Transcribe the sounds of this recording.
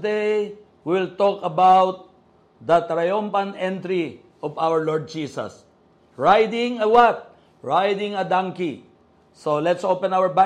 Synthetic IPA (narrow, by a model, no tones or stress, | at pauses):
d̪ej | wɪlt̪ɔkɐbawt̪̚ | d̪ɐt̪ɾajɔ̃mpɐ̃nɛ̃nt̪ɾi | ʔɔvawəɹlɔɹd̪̚d͡ʒiːsɐ̰s | ɹajd̪ɪ̃ŋɐwat̪̚ | ɹajd̪ɪ̃ŋɐd̪ãŋki | solɛt̪sowpɛ̃nawəɹba